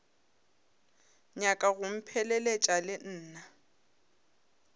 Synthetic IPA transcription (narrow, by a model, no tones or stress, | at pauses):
ɲakʼaɣʊm̩pʰɛlɛlet͡ʃʼalɪn̩ːna